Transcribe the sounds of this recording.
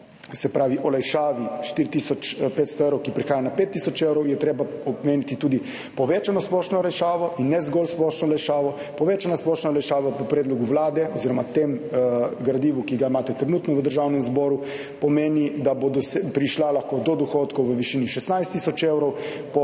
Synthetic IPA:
sɛpɾaːʋiʔɔlajʃaːʋiʃt̪iɾit̪isɔt͡ʃpeːt̪st̪ɔeːwɾɔwkipɾixaːjanapeːt̪ːisɔt͡ʃewɾɔwjɛt̪ɾeːbaɔbmeːnit̪it̪uːd̪i | pɔʋeːt͡ʃanɔsplɔːʃnɔlɛʃaːʋɔʔinːɛzɡɔlsplɔːʃnɔlɛʃaːʋɔ | pɔʋeːt͡ʃanasplɔːʃnaɔlɛʃaːʋapɔpɾɛːd̪lɔɡuʋlaːd̪ɛɔziːɾɔmat̪emɡɾad̪iːʋukiɡaimaːt̪ɛt̪ɾɛnuːt̪nɔʋəd̪əɾʒaːwnɛmzbɔːɾu | pɔmeːnid̪abod̪ɔspɾiʃlalaxkod̪ɔd̪ɔxot̪kɔwʋəʋiʃiːniʃɛsnajst̪ːisɔt͡ʃewɾɔw | pɔ

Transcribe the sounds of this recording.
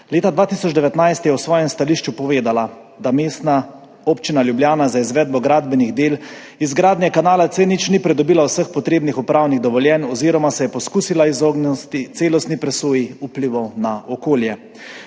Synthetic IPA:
leːt̪ad̪ʋaːt̪isɔd͡ʒd̪ɛʋɛt̪najst̪jɛwsʋɔːjɛmst̪aliːʃt͡ʃupɔʋeːd̪ala | d̪ameːst̪na | oːpt͡ʃinaljubljaːnazaizʋɛd̪̚bɔɡɾaːd̪bɛniɣd̪eːl | izɡɾaːd̪njɛkanaːlat̪senit͡ʃnipɾɛd̪ɔbiːlawsəxpɔt̪ɾeːbnixupɾaːwniɣd̪ɔʋɔljɛnɔziːɾɔmasɛjɛpɔskuːsilaizoɡnst̪it̪seːlɔst̪nipɾɛsoːjiupliʋɔwnaʔɔkoːljɛ

